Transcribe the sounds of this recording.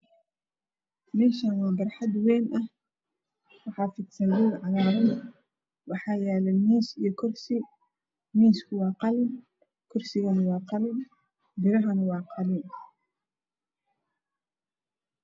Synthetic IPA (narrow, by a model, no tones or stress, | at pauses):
mɛːʃɐnwɑːbɐrħɑd̪wɛːnʔɐh | wɑħɑːfɪd̪sɐwɪlʕɑlaːɾɐn | wɑħɑːjɛːlɛmiːsijɔkʰɔrsɪ | miːskʰʊwɑːqɑlɪn | kʰɔrsɪɣɐnɐwɑːqɑlɪn | bɪɾɐɦɐnɐwɑːqɑlɪn